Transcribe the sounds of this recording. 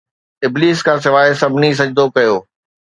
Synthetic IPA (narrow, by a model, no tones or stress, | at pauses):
ɪbliːskʰãːs̬ɪʋaːesɐbʱɪnis̬ɐd͡ʑd̪okɐjoː